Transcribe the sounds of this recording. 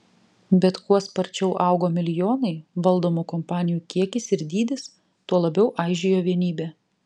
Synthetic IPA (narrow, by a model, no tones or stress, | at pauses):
bʲɛt̪kuɔspɐɾʲt͡ʃʲɛʊʔɑˑʊɡoːmʲɪlʲɪjoːnɐɪʋɐlˠd̪oːmukɔmpɑːnʲɪjuːkʲiɛkʲɪsɪɾd̪ʲiːd̪ʲɪs | t̪uɔlˠɐbʲɛʊʔɑˑɪʒʲɪjoːʋʲiɛnʲiːbʲɛː